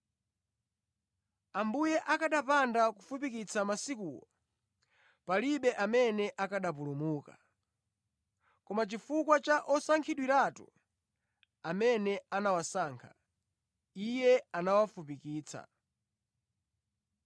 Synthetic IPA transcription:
ambujɛʔakaɗapandakufupikit͡sʰamasikuːwɔ̰ | paliɓɛʔamɛnɛʔakaɗap̬ulumuːka | kɔmat͡ʃifukwat͡ʃaʔɔsaŋkʰiɗwiɾatṵ | amɛnɛanawasaːŋkʰḁ̰ | ijɛanawafupikiːt͡sʰa̰

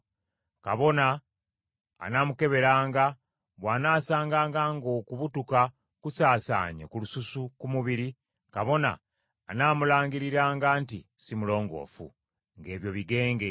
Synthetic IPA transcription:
kaβo̞naː | naːmuke̞βe̞ɾaːŋɡa | βwaːnaːsaːŋɡaːŋɡaːŋɡo̞kuβutuka | kusaːsa̰ːɲḛkulususukumuβiɾi | kaβo̞na̰ː | naːmulaːŋɡiɾiɾaːŋɡaːntisimulo̞ːŋɡo̞̰ːfṵ | ŋɡe̞ːβjo̞βiɡe̞ːŋɡe

